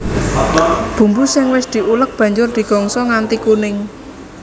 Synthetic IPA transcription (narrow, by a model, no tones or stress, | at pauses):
b̥ṳmbusɪŋwɪsd̪̥i̤ʔulək̚b̥ä̤ɲd͡ʒʊrd̪̥i̤ɡ̥ɔŋsɔŋant̪ikunɪŋ